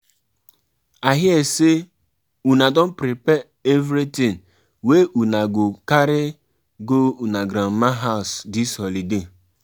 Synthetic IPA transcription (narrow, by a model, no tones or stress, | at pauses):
aɦɪese | unadɔn̩pɾipɛ | evɾitĩŋ | weʔunaɡokaɾɪ | ɡounaɡɾam̩maɦaʊsdishɔlide